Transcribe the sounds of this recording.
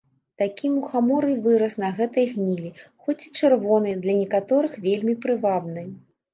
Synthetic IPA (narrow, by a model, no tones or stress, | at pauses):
t̪akʲimuxamɔɾɨvɨɾɐsnɐɣɛt̪ɐjɣnʲilʲixɔt͡sʲi̥t͡ʂɨrvɔnɐjd̪lʲɐnʲɛkat̪ɔɾɨxvʲelʲmʲipɾɨvabnɨj